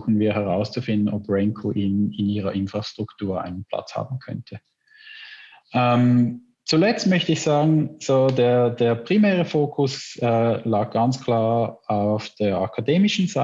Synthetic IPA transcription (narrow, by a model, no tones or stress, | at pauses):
xn̩viːɐhɛʁaʊst͡sufɪndn̩ʔɔpʁɛŋkʰoʔiːnɪniːʁɐʔɪnfʁ̥astʁ̥ʊktʰuːɐʔa̰ɪnənpʰl̥a̰t͡sha̰ːbn̩kʰœ̰ntʰə | ʔɛm | t͡sulɛt͡stmœçtəɪçz̥aːɡŋ̩z̥oːdeːd̥eːɐpʁ̥imɛːʁəfoːkʰʊsɛːlaːɡ̚ɡ̥ant͡skʰl̥aːɐaʊfd̥eːɐakʰadeːmɪʃn̩za